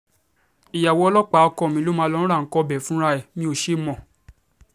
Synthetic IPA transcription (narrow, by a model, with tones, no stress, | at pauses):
i˨ja˨wɔ˧˦ɔ˧lɔ˦k͡pa˨˦˨kɔ˦˨mĩ˨˧˦lo˦mãː˧˦˧lɔ̃˧˦ɾa˦˨ŋ̩˨˦kɔ˧˦bɛ˨˦fũ˦ɾa˧ɛ˦˨mĩ˧˦o˧˨ʃe˦˨mɔ̃˨